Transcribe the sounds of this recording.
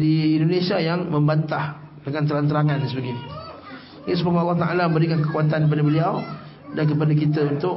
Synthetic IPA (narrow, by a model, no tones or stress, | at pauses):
diːndonesiajaŋmə̃mbant̪ah | dəŋant̪əɾant̪əɾaŋãns̬əbaɡini | səpəknɑlːɑht̪aʔa̰lamə̃mbəɾikankəkuat̪ankəpadabəliaw | dank̬əpadakit̪əunt̪ʊʔ